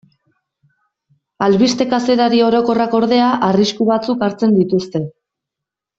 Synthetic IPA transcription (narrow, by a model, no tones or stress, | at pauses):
alβist̪e̞kase̞ɾaɾio̞ɾo̞ko̞rako̞ɾðe̞aʔariskuβat͡sukaɾt͡se̞nd̪it̪ust̪e̞